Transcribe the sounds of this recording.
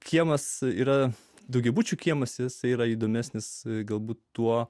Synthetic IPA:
kʲiɛmɐsiːɾɐ | d̪ɐʊɡʲɛbuːt͡ʃʲuːkʲiɛmɐsjɪsɐɪiːɾɐiːd̪oːmʲæsʲnʲɪsɡɐlˠbuːt̪ːuɔ

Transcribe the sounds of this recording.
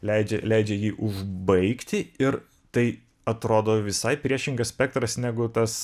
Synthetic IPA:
lʲɛɪd͡ʒʲɛlʲɛɪd͡ʒʲɛjiːʔʊʒbɐɪkt̪ʲɪɪɾ | t̪ɐɪ | ɐt̪ɾoːd̪oːʋʲɪsɐɪpʲɾʲiɛʃʲɪŋɡɐssʲpʲɛk̚t̪ɾɐsnʲæɡʊt̪ɐs

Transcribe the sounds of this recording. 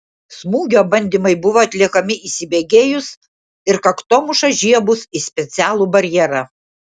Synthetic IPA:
smuːɡʲoːbɐnʲd̪ʲɪmɐɪbʊʋoːɐt̪ʲlʲiɛkɐmʲɪʔisʲɪbʲeːɡʲeːjʊs | ɪɾkɐkt̪oːmʊʃɐʒʲiɛbʊsisʲpʲɛt̪sʲæːlˠuːbɐɾʲjɛɾɐ

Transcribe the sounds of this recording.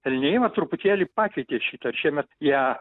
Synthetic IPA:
ɛlʲnʲejɪʋɐt̪ɾʊpʊt̪ʲeːlʲiːpɑːkʲɛɪt̪ʲeːʃʲiːt̪ɐʃʲiɛmʲɛt̪jiɛ

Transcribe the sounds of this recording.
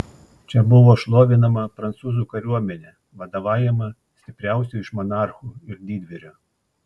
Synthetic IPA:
t͡ʃʲɛbʊʋoːʃlˠoːʋʲɪnɐmɐpɾɐnt̪suːzuːkɐɾʲuɔmʲɛnʲeː | ʋɐd̪ɐʋɑːjɛmɐ | sʲt̪ʲɪpʲɾʲæˑʊsʲɛɪʃmɔnɑˑɾxuːɪɾd̪ʲiːd̪ʲʋʲɛɾʲoː

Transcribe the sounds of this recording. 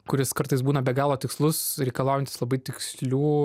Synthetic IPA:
kʊɾʲɪskɐɾt̪ɐɪsbuːnɐbʲɛɡɑːlˠoːt̪ʲɪkslˠʊsɾʲɛɪkɐlˠɑʊjɛnt̪ʲɪslˠɐbɐɪt̪ʲɪksʲlʲuː

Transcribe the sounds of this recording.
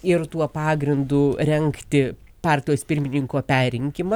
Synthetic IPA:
ɪɾt̪uɔpɑːɡɾʲɪnd̪ʊɾʲɛŋkt̪ʲɪpɑːɾʲt̪ʲɪjoːspʲɪɾʲmʲɪnʲɪŋkoːpʲæːɾʲɪŋʲkʲɪmɐ

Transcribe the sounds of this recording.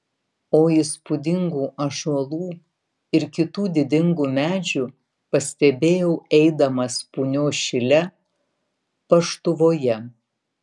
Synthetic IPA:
oːɪspʊd̪ʲɪŋɡuːʔɐʒuɔlˠuː | ɪɾkʲɪt̪uːd̪ʲɪd̪ʲɪŋɡuːmʲæːd͡ʒʲuː | pɐsʲt̪ʲɛbʲeːjɛʊɛɪd̪ɐmɐspuːnʲoːʃʲɪlʲɛ | pɐʃt̪ʊʋoːjɛ

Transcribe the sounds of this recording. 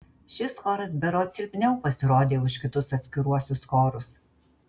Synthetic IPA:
ʃʲɪskoːɾɐsbʲɛɾoːt̪sʲɪlʲpʲnʲɛʊpɐsʲɪɾoːd̪ʲeːʊʃkʲɪt̪ʊsɐt̪ʲsʲkʲɪɾuɔsʲʊskoːɾʊs

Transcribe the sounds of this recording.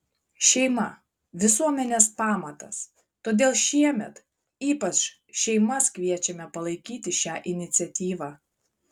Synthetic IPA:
ʃʲɛɪmɐ | ʋʲɪsuɔmʲɛnʲeːspɑːmɐt̪ɐs | t̪oːd̪ʲeːlˠʃʲiɛmʲɛt̪ | iːpɐt͡ʃ | ʃʲɛɪmɐskʋʲiɛt͡ʃʲɛmʲɛpɐlˠɐɪkʲiːt̪ʲɪʃʲæːʔɪnʲɪt̪sʲɛt̪ʲiːʋɑː

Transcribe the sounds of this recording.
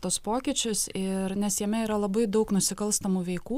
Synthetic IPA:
t̪oːspoːkʲɪt͡ʃʲʊsɪɾnʲɛsjɛmʲɛiːɾɐlˠɐbɐɪd̪ɐʊknʊsʲɪkɐlˠst̪ɐmuːʋʲɛɪkuː

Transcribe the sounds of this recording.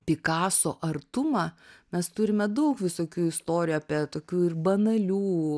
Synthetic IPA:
pʲɪkɑːsoːʔɐrt̪ʊmɑmʲɛst̪ʊɾʲɪmʲɛd̪ɐʊkʋʲɪsoːkʲuːɪst̪oːɾʲjuːɐːpʲiɛt̪oːkʲuːɪrbɐnɐlʲuː

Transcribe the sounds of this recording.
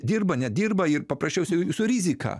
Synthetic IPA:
d̪ʲiːrbɐnʲɛd̪ʲiːrbɐɪrpɐpɾɐsʲt͡ʃʲɛʊsʲɛɪsʊɾʲizʲɪkʰɑ̰ː

